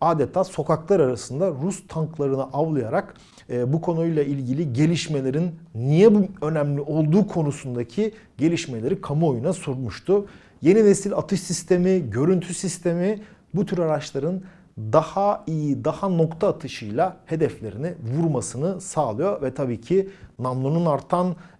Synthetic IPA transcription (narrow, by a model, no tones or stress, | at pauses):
aːd̪et̪ʰaːso̞kaklˠaɾaɾasɯnd̪aɾust̪ʰaŋklˠaɾɯnɯʔavlˠɯjaɾakː | bukʰo̞nujlˠailʲɟilʲiɟe̞lʲiʃme̞lʲe̞ɾinːijɛbuø̞næmlʲiʔo̞lˠd̪uːkʰo̞nusund̪acʰi | ɟe̞lʲiʃme̞lʲe̞ɾikʰamɯo̞junasuɾmuʃt̪ʰʊ | je̞nine̞silʲa̰t̪ʰɯʃsist̪ʰe̞miɟø̞ɾynt̪ʰysist̪ʰe̞mi | but̪ʰyɾaɾat͡ʃlˠaɾɯn | d̪ahaijid̪ahano̞kt̪ʰaːt̪ʰɯʃɯjlˠahe̞d̪ɛflʲe̞ɾinivuɾmasɯnɯsaːlˠɯjo̞ɾvɛt̪ʰabiːcʰinamlˠununaɾt̪ʰan